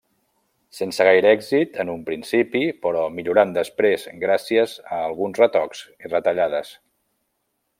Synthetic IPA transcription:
sensəɣ̞ajɾɛɡzit̪ənumpɾinsipipəɾɔmiʎuɾand̪əspɾezɡɾasiəzəːlˠɣunzrət̪ɔkz̥irət̪əʎað̞əs

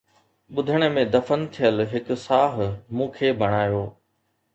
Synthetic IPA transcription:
ɓʊd̪ʱəɽ̃ə̆mẽd̪ɐfənt̪ʰijəlɦɪksaːɦmũːkʰeːbʱɐɽ̃aːjoː

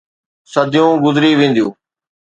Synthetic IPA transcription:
səd̪ʱɪjũɡʊzɾiːʋẽːn̆d̪ijũː

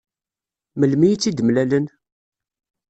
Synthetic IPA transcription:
məlmijt͡sːid̪əmlælən

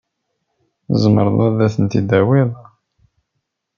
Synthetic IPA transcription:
zˤmə̰ɾˤðˤæðæθənt̪id̪æwiðˤ

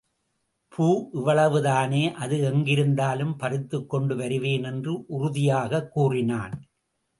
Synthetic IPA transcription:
pʰuːʔɪʋɐɭɐʋɯðaːneːʔɐðɯɛŋɡɪɾɯnd̪aːlɯmpɐrɪt̪ːɯkːɔɳɖɯʋɐɾɯʋeːnɛndrɯʔʊrʊðɪjaːɣɐkːuːrɪnaːn

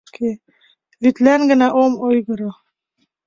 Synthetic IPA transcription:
kʰi | vit̪læŋɡɘ̆næʔomojɣɤ̆ɾo

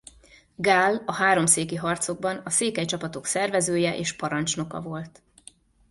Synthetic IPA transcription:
ɡaːlɒɦaːɾo̞mseːkiɦɒrt̪so̞ɡ̚bɒnɒseːkɛjt͡ʃɒpɒt̪o̞ksɛrvɛzøːjɛʔḛːʃpɒɾɒnt͡ʃno̞kɒ̰vo̞lt̪

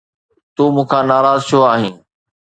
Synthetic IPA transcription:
t̪uːmʊ̃ːkʰãːnaːɾaːzt͡ʃʰoaːɦĩː

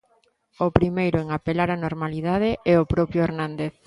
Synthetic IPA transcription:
ʊpɾimejɾʊeŋapelaɾanoɾmaliðað̞ɪɛopɾɔpjʊeɾnãnd̪eθ

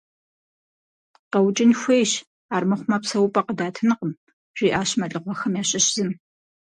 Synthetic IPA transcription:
qɐwt͡ʃʼɪnxʷejɕ | aːrmɨχʷʊmɐpsɐwʊpʼɐqədaːtʰɨnɨqəm | ʒ̥ʷiːʔaːɕmɐɮʼɨqʷɔxɐmjaːɕɪɕzɨm

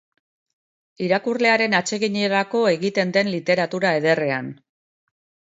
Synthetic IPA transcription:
iɾakurle̞aɾe̞nat͡ʃe̞ɣiɲieɾako̞e̞ɣit̪e̞nd̪e̞nlit̪e̞ɾat̪uɾae̞ðe̞re̞an

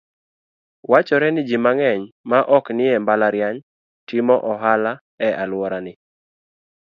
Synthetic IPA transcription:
wat͡ʃɔɾɛnɪd͡ʒimaŋɛɲmaʔɔknɪɛmbalaɾjaɲ | tɪmɔʔɔɦala | ɛʔalwɔɾanɪ

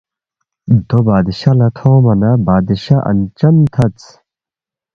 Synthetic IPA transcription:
d̪obaːd̪iɕɐlɐt̪ʰoːmɐnɐbaːd̪iɕaʔɐ̰nt͡ɕɐmt̪ʰɐt͡s

